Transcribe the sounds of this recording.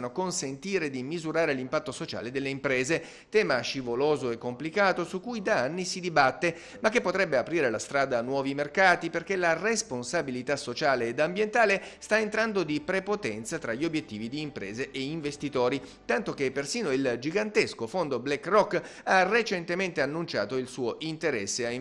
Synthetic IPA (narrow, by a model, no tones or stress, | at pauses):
nokonsent̪iːɾed̪imizuɾaːɾelimpat̪ːosot͡ʃa̰ːled̪elːeimpɾeːze | t̪ɛːmaʃivoloːzoekːomplikaːt̪osukːujd̪aanːisid̪ibat̪ːe | makːepːot̪ɾɛbːeapɾiːɾelast̪ɾaːd̪aːnːwɔːvimerkaːt̪iperkelaresponsabilit̪asot͡ʃaːleːd̪ambjent̪aːlest̪aent̪ɾand̪od̪ipɾepot̪ɛnt̪sat̪ɾaʎːiobjet̪ːiːvid̪iːmpɾɛ̰ːzeʔeiɱvest̪it̪oːɾit̪ant̪ok̟epːersiːnoild͡ʒiɡant̪eskofond̪oblɛkːrɔkːaret͡ʃent̪ement̪eanːunt͡ʃa̰ːt̪oilsuːoʔint̪eɾɛsːea